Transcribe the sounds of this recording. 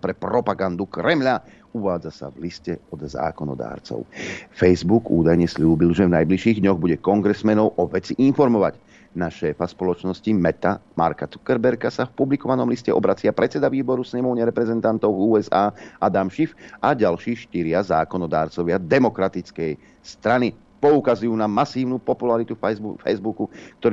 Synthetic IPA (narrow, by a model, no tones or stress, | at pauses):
pɾɛpɾɔpaɡand̪ukɾɛmʎa | uʋaːd͡zasa̰vliscɛɔd̪za̰ːkɔnɔ̰d̪a̰ːɾt͡sɔ̰ʊfɛjzbuɡṵːd̪ajɲɛsʎuːbilʒɛvnajbliʃiːɣd̪ɲɔɣbuɟɛkɔŋɡɾɛsmɛnɔʊʔɔʋɛt͡siʔinfɔɾmɔʋaɟ | naʃɛːfaspɔlɔt͡ʃnɔscimɛt̪ama̰ɾkat͡su̥kɛɾbɛɾkasafpublikɔʋanɔmliscɛ̰ʔɔ̰bɾat͡sɪapɾʔɛt͡sɛd̪aʋiːbɔɾusɲɛmɔʊɲɛɾɛpɾɛzɛnt̪ant̪ɔʊvuːɛzaːʔad̪amʃifaɟalʃiːʃt̪iɾɪazaːkɔnɔd̪aːɾt͡sɔʋɪad̪ɛmɔkɾat̪it͡skɛj | st̪ɾani | pɔukazujuːnamasiːʊnupɔpulaɾit̪ufzbfɛ̰jzbukukt̪ɔ